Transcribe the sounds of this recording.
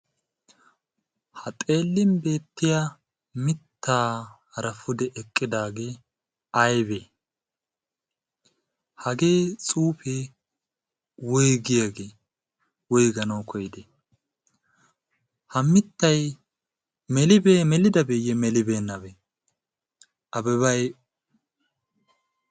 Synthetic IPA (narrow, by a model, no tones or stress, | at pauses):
hɐt̪ʼe̞ːlːɪmbe̞ːt̪ːɪja | mɪt̪ːaː | ɐɾɐfʊd̪ɛʔɛkʼːɪd̪aːɡe̞ː | ɐjbe | hɐɡe̞ːt͡sʼuːpe | wɔjɡɪjaɡeː | wɔjɡɐnɐwkʰɔjd̪ɛ | hɐmːɪt̪ːɐj | mɛlɪbeːmɛlɪd̪ɐbejɛmɛlɪbeːnːɐbe | ɐbɛβɐj